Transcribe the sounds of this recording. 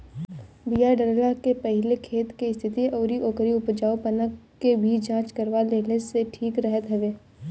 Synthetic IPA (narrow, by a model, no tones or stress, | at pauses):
bijaɖəɾlakepɛɦɪlekʰeːt̪keɪst̪ʰɪt̪iɔːɾiʔoːkəɾiʊpd͡ʒaːupənəkː | ebʱid͡ʒãːt͡ʃkəɾʋaleːleseʈʰiːkɾɛɦət̪ɦɐʋeː